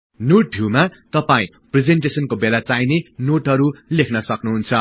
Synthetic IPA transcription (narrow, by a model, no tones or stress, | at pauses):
noʈ̚bʱiwmat̪ʌpaĩ | pred͡zeɳʈesʌnkobelat͡sajnenoʈɦʌɾulekʰnʌsʌknuɦunt͡sʰʌ